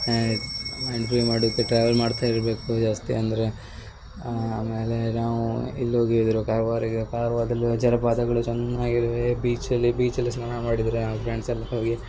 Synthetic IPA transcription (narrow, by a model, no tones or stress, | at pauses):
mɐjɳɖpɾimaːɽid̪ɐkːeʈɾaːʋɐlmaːɖt̪ʰaːiɾbe̞ːkud͡ʒaːst̪ḭɐnd̪ɐɾe̞ | aːme̞ːle̞naːʋuilːɦoːɡied̪ɐɾukaːɾɐʋaːɾiɡkaːɾɐʋaːd̪ɐlːud͡ʒɐɾɐpaːd̪ɐɡɐɭut͡ʃɛnːaːɡiɾʋebiːt͡ʃɐlːibiːt͡ʃɐlːisnaːɳɐmaːɽid̪ɐɾenaːpɾeɳɖsɐlːɐɦoːɡi